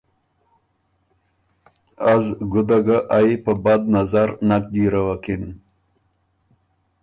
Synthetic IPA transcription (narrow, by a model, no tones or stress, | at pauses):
azɡʊd̪aɡaʔaipəbad̪̚nazaɾnak̚d̪iɾawakin